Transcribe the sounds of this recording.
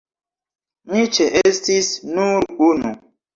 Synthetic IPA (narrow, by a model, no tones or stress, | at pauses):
mit͡ʃeʔestisnuɾunu